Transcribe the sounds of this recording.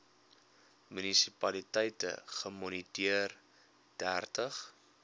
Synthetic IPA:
mynisipɐlitɛjtə̰χəmɔnitiər | d̥ærtəχ

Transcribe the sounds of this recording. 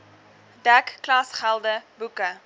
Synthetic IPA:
dækːlɑsχælˠdəbukə

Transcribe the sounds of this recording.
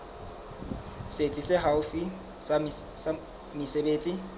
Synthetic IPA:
set͡sʼisɪɦaʊfi | mɪsebeːt͡sʼi

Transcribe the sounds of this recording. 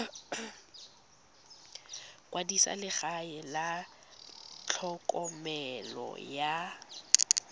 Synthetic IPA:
kwadisa̰lɪχaɛla | t͡ɬʰɔkʼɔmɛlɔ̰ja

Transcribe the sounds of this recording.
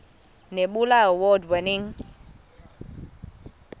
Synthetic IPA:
neɓulaəwɔdwɛniŋ

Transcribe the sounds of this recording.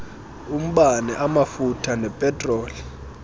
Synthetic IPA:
um̩ɓanɛʔamafutʰanɛpʼɛtʼroːli

